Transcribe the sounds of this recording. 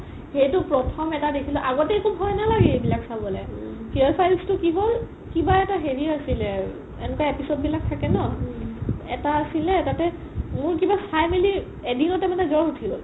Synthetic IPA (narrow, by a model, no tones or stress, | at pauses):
xejtʊpɹɔtʰɔmɛtadekʰilɔʔaɡɔtejkubɦɔjnalaɡɛejbilaksabɔlɛpiɔlpʰajlstʊkiɦol | kibaɛtaɦeɹiasilɛ | enɛkaepisod̚bilak̚tʰakɛnɔ | ɛtaːsilɛtatɛ | mʊɹkibasajmili | edinɔtɛmanɛzɔɹutʰiɡɔl